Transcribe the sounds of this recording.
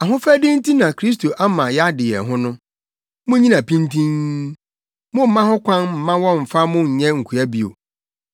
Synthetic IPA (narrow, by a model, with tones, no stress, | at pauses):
a˨ɦʊ̃˦fæ˦dɪ̃˦n̩˦tʰi˦nã˨kʰɾi˦s̬tʰo˨ʔa˦mã˨jɛ˦a˦dɪ˨jɛ̰˨ɦʊ̃˦nʊ̃˦ | mʊ̃˦ɲĩ˦nã˨pʰĩ˦ntʰĩ˦n | mʊ̃˦m̩˨mã˦hʊ̃˦kʷʰã˦nm̩˨mã˦wɔ̃˦m̩˨fa˦mʊ̃˦ɲ̩˨ɲɛ̃˦ŋ̩˨kʰu˨æ˦bi˦˨o̰˨